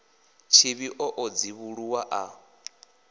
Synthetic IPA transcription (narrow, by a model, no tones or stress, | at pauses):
t͡ʃʰiβiʔɔʔɔd͡ziβuɺuwaʔa